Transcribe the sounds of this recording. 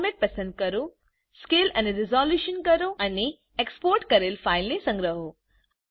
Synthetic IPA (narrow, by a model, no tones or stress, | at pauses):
meʈ̚pɐsə̃nd̪̚kɐɾo | skɪlɐneɾɪzɔːljuʃənkɐɾoɐne | ekspoːɾʈkɐɾelfaːɪlnesɐ̃ŋɡɾəɦo